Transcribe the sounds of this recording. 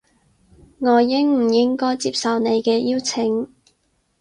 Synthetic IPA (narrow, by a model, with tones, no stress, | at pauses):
ŋɔː˨˧jɪ˥ŋm̩˨˩jɪ˥ŋkɔː˥jt͡siː˧p̚sɐ˨wne˨˧jkɛː˧jiː˥wt͡sʰɪ˨˥ŋ